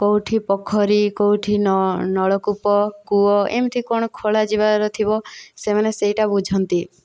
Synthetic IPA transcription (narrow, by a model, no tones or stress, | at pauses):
kowʈʰipɔkʰɔɾikowʈʰinnɔɭɔkupɔkuɔemt̪ʰikɔɽ̃ɔkʰoɭad͡ʒibaɾɔt̪ʰibɔsemaneseɦiʈabud͡ʒʱɔnt̪i